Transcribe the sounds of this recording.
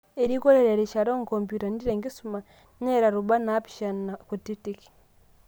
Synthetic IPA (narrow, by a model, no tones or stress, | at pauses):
eɾikoɾeɾeɾeʃaɾoŋkompjutanidiɾeŋɡesuma | neɾaɾuβanapi̥ʃanakutitiki̥